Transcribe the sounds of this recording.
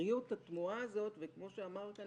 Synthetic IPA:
ijuthat̪muaːzo̞tvekmo̞ʃeamaʁka

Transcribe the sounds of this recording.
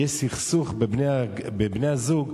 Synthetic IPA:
esiχsuχbebneabebnejhazuɡ

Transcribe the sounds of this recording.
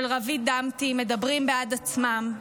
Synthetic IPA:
lʁavid̪amt̪ime̞d̪abʁimbead̪at͡smam

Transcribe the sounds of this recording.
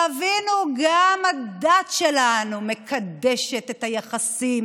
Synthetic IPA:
avinuɡamad̪at̪ʃelanume̞kʰad̪eʃet̪ethajaχasim

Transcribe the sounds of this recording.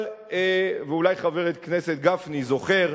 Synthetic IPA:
l | eveulajχaveʁet̪̚kneset̪̚ɡafnizo̞χeʁ

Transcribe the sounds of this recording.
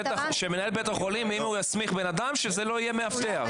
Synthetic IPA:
et̪aχʃeme̞nae̞lbet̪aχolimimaujasmiχbe̞nad̪amʃeze̞lo̞ije̞meaft̪e̞a̰ʁ

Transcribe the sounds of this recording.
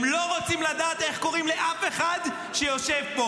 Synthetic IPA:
mlo̞ʁot͡simlad̪aːt̪e̞χko̞ʁimleʔafe̞χad̪ | ʃejo̞ʃevbo

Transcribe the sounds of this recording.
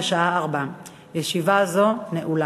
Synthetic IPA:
ʃaaːʁba | jeʃivazo̞neʔula

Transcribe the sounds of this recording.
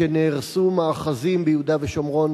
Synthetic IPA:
eneːʁsumaːχazimbejud̪aveʃomʁo̞n

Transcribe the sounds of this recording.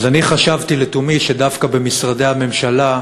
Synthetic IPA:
zaniχaʃavt̪ilet̪umiʃedavkabe̞misʁade̞jhame̞mʃala

